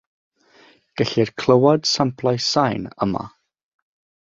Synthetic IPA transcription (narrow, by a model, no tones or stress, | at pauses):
ɡ̥əɬirkʰl̥ˠəwad̥sampʰlˠajsajnə̰ma̰